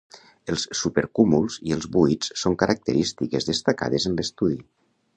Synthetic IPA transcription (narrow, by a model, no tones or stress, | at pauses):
əlˠsːupəɾkumulˠziəlˠzβuit͡ssoŋkəɾʔak̚t̪əɾist̪ikezðəst̪aka̰ðezənləst̪uði